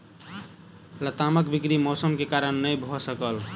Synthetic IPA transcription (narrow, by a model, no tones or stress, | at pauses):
lət̪aməkbikɾimɔsəmkekaɾənːəjbʱɔsəkəl